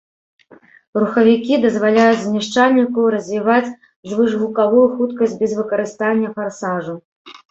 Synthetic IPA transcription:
ruxɐvʲikʲid̪ɐzvalʲajud͡zʲzmʲaʂt͡ʂalʲnʲikɐwɾɐzʲvʲivat͡sʲ | ʐvɨʐɣukavujuxut̪kɐsʲd͡zʲbʲɛzvɨkɐɾɨst̪anʲːɐfarsaʐu

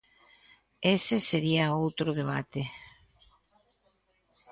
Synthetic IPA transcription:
eseseɾiɐowt̪ɾʊðeβ̞at̪e

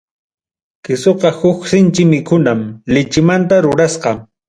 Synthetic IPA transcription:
kɪsoqɑhʊksɪnt͡ʃɪmɪkʰʊnamlɪt͡ʃɪmant̪aɾʊɾasqɑ

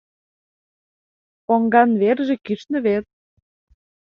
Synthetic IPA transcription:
poŋɡɑnβerʒĕkyʃnə̆βet̪̚

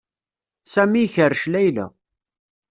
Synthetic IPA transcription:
sæmiçəɾʃlæjlæ̰

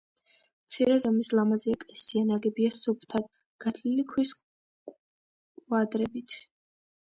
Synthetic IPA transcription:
mt̪sʰiɾɛzɔmislamazɛɛkʼlɛsianaɡɛbiasup̚ʰt̪ʰad̪ | ɡ̥at̪ʰlilikʰwis | kʼ | wad̪ɾɛbit̪ʰ

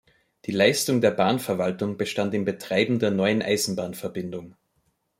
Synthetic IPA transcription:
d̥iːlaɪstʊŋdeːɐbaːnfɛɐvaltʊŋb̥əʃtantɪmbətʁ̥aɪbm̩deːɐnɔʏənʔa̰ɪzn̩baːnfɛɐbɪndʊŋ

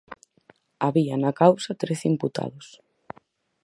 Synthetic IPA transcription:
aβianakawsɐt̪ɾeθimput̪a̰ðʊs

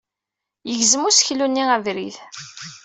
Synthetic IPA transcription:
jəʝzəmʊsçlunːiævɾiθ

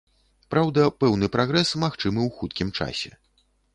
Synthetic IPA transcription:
pɾawd̪ɐpɛwnɨpɾaɣɾɛsmaxt͡ʂɨmɨwxut̪kʲimt͡ʂa̰sʲɛ̰

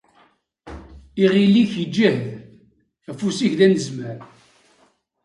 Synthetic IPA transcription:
iʁilːiçəd͡ʒːæhð | æfusiçðænəzmæɾ

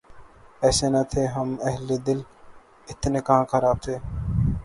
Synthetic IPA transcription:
ɛːseːnat̪ʰeːɦəmɐɦleːd̪ɪl | ɪt̪neːkəɦãːkʰəɾaːb̚t̪ʰeː

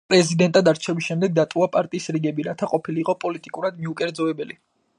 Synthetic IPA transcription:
pʼɾɛzid̪ɛnt̪ʼad̪aɾt͡ʃʰɛbisʃɛmd̪ɛɡ̚d̪at̪ʼuapʼaɾt̪ʼiːsɾiɡɛbiɾat̪ʰaqʼɔpʰiliːqʼɔpʼɔlit̪ʼikʼuɾad̪miukʼɛɾd̪zɔɛbɛli

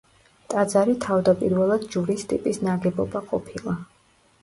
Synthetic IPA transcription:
t̪ʼad̪zaɾit̪ʰavd̪apʼiɾvɛlˠad̪d͡ʒuɾist̪ʼipʼisnaɡɛbɔbaqʼɔpʰilˠa

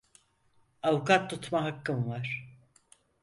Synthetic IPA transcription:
awukat̪ːut̪maɦakːɯnvaɾ̥

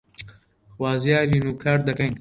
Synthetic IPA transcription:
xwaːzjaːɾiːnuːkʰaːɾd̪ɐkɐɲ

